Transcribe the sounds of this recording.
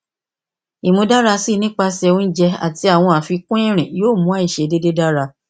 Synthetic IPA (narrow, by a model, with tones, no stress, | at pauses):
i˨mũ˧˦da˦ɾa˧si˦˧nĩ˦k͡pa˧sɛ˧ũ˦n̩˦d͡ʒɛ˧a̰˨ti˧a˦˨w̃ɔ̃˧a˨fi˧kũ˦ẽ˦˨ɾ̃ĩ˨joː˦˨mũ˦a˦˨i˦˨ʃe˨˦de˦de˦da˦ɾa˧